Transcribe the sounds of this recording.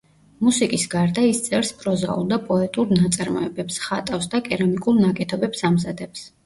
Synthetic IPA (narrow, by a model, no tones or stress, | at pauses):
musikʼisɡaɾd̪aist̪sʼɛɾspʼɾɔza̰ṵlˠd̪apʼɔɛt̪ʼuɾnat̪sʼaɾmɔ̰ɛbɛpsχat̪ʼafsd̪akʼɛɾamikʼuɾnakʼɛt̪ʰɔbɛpsamzad̪ɛps